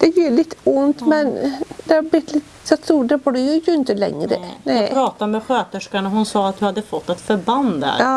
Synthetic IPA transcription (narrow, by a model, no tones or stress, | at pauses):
d̪̥ɛjiːɭɪt̪ːʊnt̪mɛnd̪̥ɛɑɾblɪt̪ːlɪt̪ː | sɔt̪st̪uːɖɾɛpɔɖɛjʊɪçːəɪnt̪əlɛ̰ŋːɾə̰nɛɾɑːt̪amɛɧøːt̪əʂkaɳəhʊnsɑːat̪̚d̪ɵhad̪ːəfɔt̪ːɛt̪fœɾband̪æ̰ɾː